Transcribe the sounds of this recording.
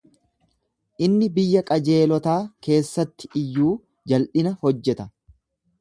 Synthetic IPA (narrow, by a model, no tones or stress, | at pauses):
ʔɪnːɪbɪjːɐkʼɐd͡ʒe̞ːlɔt̪aːke̞ːsːɐt̪ːɪ̥ɪjːuː | d͡ʒɐlʔɪnɐhɔd͡ʒːɛt̪ɐ